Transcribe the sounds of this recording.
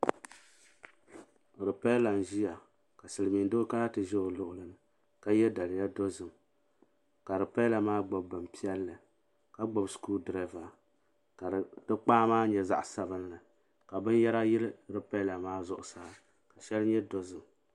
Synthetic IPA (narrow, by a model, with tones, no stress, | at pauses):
ɾɨ˨pa˦la˨n˨ʒi˦ja˨ | ka˨sɨ˨lɨ˨mi˨ndo˦ka˦a˦tɨ˨ʒɛ˦o˨lʊ˦ʔʊ˨lɨ˨nɨ˨ | ka˦jɛ˦da˨lɪ˨ja˦do˦zɨ˨m | ka˨ɾɨ˨pa˦la˨maː˦ɡ͡bɔ˨bbɨ˨mpi˦ɛ˦lːɨ˨ | ka˦ɡ͡bɔ˦bskuː˦dɾa˦va˨ | ka˨dɨ˦k͡paː˦maː˦ɲɛ˨za̰˦ʔsa˨bɨ˦n˦lɨ˨ | ka˨bɨ˦n˦jɛ˦ɾa˦jɪ˦lɨ˦ɾɨ˨pa˦la˨maː˦zʊ˦ʔʊ˨saː˦ | ka˨ʃɛ˦lɨ˦ɲɛ˦do˦zɨ˨m